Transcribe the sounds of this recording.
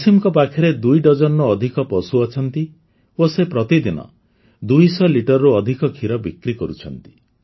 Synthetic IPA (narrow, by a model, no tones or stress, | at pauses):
simɔkɔpakʰɔɾed̪ujɖɔd͡ʒɔnːuːd̪ʱikɔpɔsuɔt͡ʃʰɔnt̪i | osepɾɔt̪id̪inɔ̰ | d̪ujsɔliʈɔɾɾuɔd̪ʱikɔkʰiɾɔbikɾikɔɾut͡ʃʰɔnt̪i̥